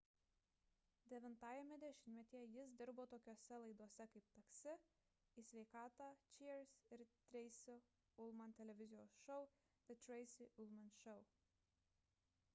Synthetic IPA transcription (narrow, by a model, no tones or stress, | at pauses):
d̪ʲɛʋʲɪnt̪ɑːjɛmʲɛd̪ʲɛʃʲɪnʲmʲɛt̪ʲijɛjɪsd̪ʲɪɾboːt̪oːkʲoːsʲɛlˠɐɪd̪uɔsʲɛkɐɪp̚t̪ɐksʲɪ | isʲʋʲɛɪkɑːt̪ɑt͡ʃʲiɾsɪɾt̪ʲɾʲɛɪsʲɪ | ʊlˠmɐnt̪ʲɛlʲɛʋʲɪzʲɪjoːsʃɔʊ | d̪ɪt̪ʲɾɛɪsʲɪʔʊlˠmɐnʃɔʊ